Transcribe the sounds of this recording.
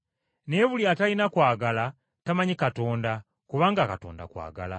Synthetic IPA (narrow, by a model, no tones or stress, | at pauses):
ne̞βuliatainakwaːɡala | tamaɲikato̞ːnda | kuβaːŋɡakato̞̰ːnda̰kwa̰ːɡa̰la̰